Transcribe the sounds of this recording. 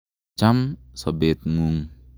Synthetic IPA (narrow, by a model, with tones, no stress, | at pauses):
t͡ʃa˦msɔbe˨t̪̚mu˨ŋ